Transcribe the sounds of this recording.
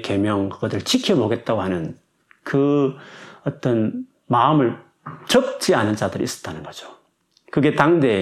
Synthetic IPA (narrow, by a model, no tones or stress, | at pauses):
ke̞mjʌŋɯɡʌdɯɭt͡ɕʰikʰeboɡe̞t̚t͈aɡohanɯn | kɯ | ʌt͈ʌn | maɯmɯɭ | t͡ɕʌk̚t͡ɕ͈ianɯnt͡ɕadɯɾiḭs͈ʌ̥t͈̚anɯnɡʌd͡ʑo̥ | kɯɡe̞taŋde